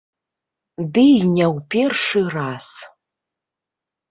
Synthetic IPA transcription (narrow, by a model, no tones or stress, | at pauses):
dɨjnʲawpʲerʂɨras